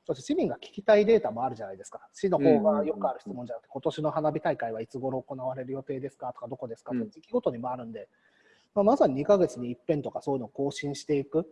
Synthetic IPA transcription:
soɕeɕimʲĩŋɡakʲi̥kʲi̥t̪aid̪e̞ːt̪amo̞aɾɯ̟ʑanaid̪e̞sɨ̥kḁɕino̞ho̞ːɡajo̞kɯ̟aɾɯ̟çi̥t͡sɨmo̞ɲd͡ʑanak̟t̪ko̞t̪o̞ɕino̞ɦanabʲit̪aikaiβait͡sɨɡo̞ɾo̞ːko̞naβ̞aɾe̞ɾɯ̟jo̞t̪e̞ːd̪e̞sɨ̥kat̪o̞̥kad̪o̞ko̞d̪e̞sɨ̥kat̪okad̪ekʲiɡo̞t̪o̞ɲ̟imo̞aɾɯ̟̃nd̪e̞ | mamasaɲ̟iɲikaɡe̞t͡sɨɲ̟iːpːẽ̞nt̪o̞kaso̞ːjɯ̟nooko̞ːɕĩɰ̃ɕi̥t̪e̞ikɯ̟

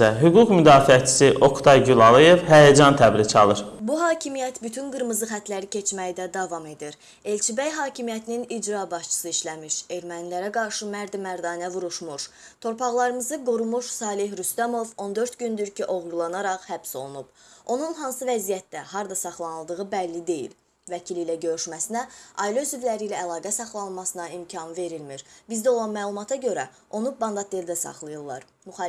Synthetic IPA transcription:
æɦyɡukmyd̪ɑːfiæt͡ʃʰi̥siʔo̞kt̪ʰɑjɟylˠɑlˠɯjevhæjæd͡ʒɑnt̪ʰæbɾicʰɑ̰lˠɯɾbuɦɑːcʰimijæt̪byt̪ʰynɡɯɾmɯzɯχæt̪ʰlæɾicʰe̞t͡ʃʰmæjid̪æd̪ɑvɑme̞d̪iɾ | e̞lʲt͡ʃʰibæjɦɑːcʰimjæt̪ʰininid͡ʒɾɑbɑʃt͡ʃʰɯ̥sɯiʃlæmiʃe̞ɾmænilæɾæɡɑɾʃɯmæɾd̪imæɾd̪ɑːnævuɾuʃmuʃ | t̪ʰo̞ɾpʰɑʁlˠɑɾɯmɯzɯɡuɾumuʃsɑːlˠiɦɾyst̪æmo̞vo̞nd̪ø̞ɾt̪ɟynd̪yɾcʰiʔo̞ʁɾulˠɑnɑɾɑχhæb̥so̞lˠunub̥o̞nunɦɑnsɯvæzijæt̪̚d̪ːæhɑɾd̪ɑsɑχlˠɑnɯlˠd̪ɯʁɯbælːid̪e̞jḭl | væcʰiliːlæɟø̞ɾyʃmæsinæɑilˠøzyvlæɾiːlæːlˠɑːɡæsɑχlˠɑnmɑsɯnɑimcʰɑnve̞ɾilmiɾbizd̪æo̞lˠɑnmæːlˠumɑt̪ʰɑɟø̞ɾæ | ʔo̞nubɑnd̪ɑt̪̚ʰd̪eɾd̪æsɑ̰χlˠɯjɯlˠːɑ̰ɾ | myx

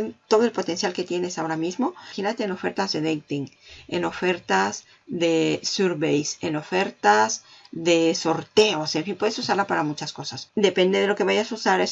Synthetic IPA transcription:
nt̪oðo̞e̞lpo̞t̪e̞nsjalke̞t̪je̞ne̞sao̞ɾamizmo̞xinat̪eːno̞fe̞ɾt̪azðe̞ðeŋt̪iŋḛno̞fe̞ɾt̪az | ðe̞suɾβejse̞no̞fe̞ɾt̪azðe̞so̞ɾt̪e̞o̞seɱfimpweðesusaɾlapaɾamut͡ʃasko̞sasd̪e̞pe̞nd̪e̞ðe̞lo̞ke̞βaʝasusaɾes

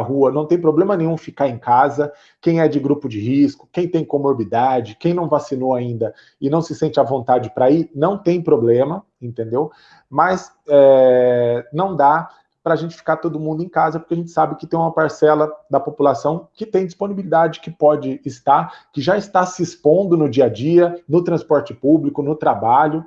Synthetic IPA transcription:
ɦuɐnɐ̃w̃t̪ẽj̃p̬ɾoblẽmɐnẽj̃ũfikaɾẽj̃kazɐ | kẽj̃ɛd͡ʒɪɡɾupʊd͡ʒɪɦiskʊ̥kẽj̃t̪ẽj̃kõmoɾbid̪ad͡ʒɪkẽj̃nɐ̃w̃vasinowaĩnd̪ɐ | ɪnɐ̃w̃sɪsẽnt͡ʃɪɐvõnt̪ad͡ʒɪpɾainɐ̃w̃t̪ẽj̃pɾoblẽmɐ | ẽnt̪ẽnd̪ew | mɐs | ɛ | nɐ̃w̃d̪a | pɾɐaːʒẽnt͡ʃɪ̥fi̥kaɾt̪od̪ʊmũnd̪ʊẽj̃kazɐpoɾkeaʒẽnt͡ʃɪ̥sabɪkɪt̪ẽj̃umɐpaɾsɛlɐd̪ɐpopulasɐ̃w̃kɪt̪ẽj̃d͡ʒisponibilid̪ad͡ʒɪkɪpɔd͡ʒɪːst̪aɾkɪʒaɪst̪asɪspõnd̪ʊnʊd͡ʒiɐd͡ʒiɐnʊt̪ɾɐ̃spɔɾt͡ʃɪpublikʊnʊt̪ɾabaʎʊ

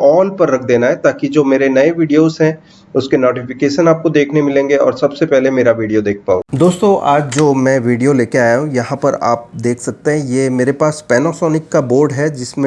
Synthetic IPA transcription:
ɔːlpɐɾːɐkʰd̪eːnaɦɛt̪aːkid͡ʒoːmeːɾenɐeʋiːɖijoːzɦɛ̃ | ʊskenoːʈɪfɪkeːʃənaːp̚kod̪eːkʰnemɪlẽːŋɡeɔ̰ːɾsɐbsepɛɦlemeːɾaʋiːɖijod̪eːk̚ʰpa̰ːo̰ːd̪oːst̪õʔa̰ːd͡ʒd͡ʒoːmɛ̃ːʋiːɖijoleːkeaːjũjɐɦãpɐɾa̰ːp̚d̪eːkʰsɐk̚t̪eɦɛ̃jeːmeːɾepaːspɛːnosɔːnɪkːaboːɾɖɦɛd͡ʒɪsmẽ

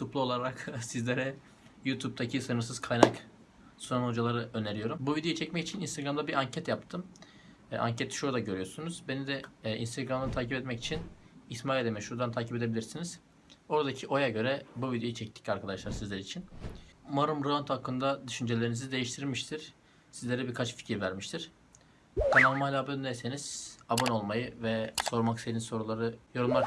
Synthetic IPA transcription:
t̪ʰuplˠu̞lˠaɾɾaksizlʲeɾɛ | jut̪ʰup̚t̪ʰacʰisɯnɯɾs̬ɯz̥kʰajnak | sunanod͡ʒalˠaɾɯʔø̞neɾijo̞ɾumbuvid̪eut͡ʃʰɛcmɛcit͡ʃʰininst̪eɡɾamd̪abiʔaɲcʰɛt̪jap̚t̪ʰɯmː | ʔa̰ɲcʰet̪ʰi̥ʃuɾd̪aɟø̞ɾyjoɾsunuz̥be̞nid̪ɛḭnst̪ʰeɡɾamd̪ˠɯt̪ʰaːcipɛt̪mɛci̥t͡ʃʰinismaːlʲid̪ɛmɛʃhuɾd̪ant̪ʰaːciped̪e̞bilʲiɾsiniz̥ | o̞ɾad̪acʰiʔo̞jaɟø̞ɾɛbuvid̪jo̞it͡ʃʰɛc̚t̪ʰi̥caɾkʰad̪aʃlˠaɾsizlʲɛɾit͡ʃʰinmaɾumɾoant̪ʰhakʰːɯnd̪ad̪yʃynd͡ʒe̞lʲeɾinizid̪e̞jiʃt̪ʰiɾmiʃt̪ʰiɾ̥ | sizlʲeɾɛbiɾkʰat͡ʃfi̥cʰiɾvæɾmiʃt̪ʰiɾ̥ | d̪anoɾmalʲabønnɛse̞niz̥abono̞lˠmajɯvɛso̞ɾmakselʲinso̞ɾulˠaɾɯjo̞ɾumlˠaɾ

